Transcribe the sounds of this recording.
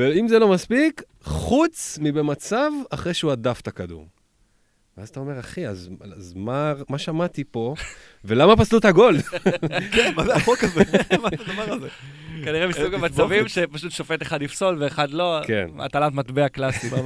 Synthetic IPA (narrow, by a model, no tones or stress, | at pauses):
veimzelo̞maspik | χut͡smibe̞mat͡savaχʁejʃeuadaft̪akadṵm | veazat̪ao̞me̞ʁaχiazazmamaʃamat̪ipo̞ | ve̞lamapaslut̪haɡo̞l | kenmazeaχokazemaad̪avaʁalzekaniʁemisuɡamat͡savimʃepaʃut̪ʃofe̞t̪eχadifso̞lveːχad̪lo̞kḛna̰t̪alat̪mat̪beaklasi